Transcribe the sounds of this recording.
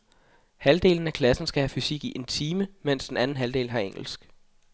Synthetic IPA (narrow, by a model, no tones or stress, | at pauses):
hæld̥e̝̰ːln̩ækʰlæsn̩sɡ̥æhæfysiɡ̥iʔe̝nt͡sʰiːməmen̰sd̥enænn̩ɦæld̥e̝̰ːlhɑ̈eŋ̰l̩sɡ̥